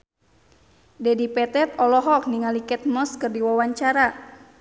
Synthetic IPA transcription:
dɛdipɛt̪ɛt̪̚ɔlɔɦɔk̚niŋalikɛt̪̚mɔskɨrdiwawaɲt͡ʃaɾa

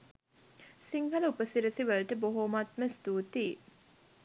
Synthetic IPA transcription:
siŋhɐləupəsiɾəsiʋəlʈəboɦoːmɐt̪̚mesd̪uːt̪iː

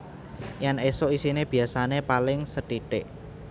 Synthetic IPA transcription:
jɛnesoisineb̥i̤asanepalɪŋsəʈiʈɪʔ

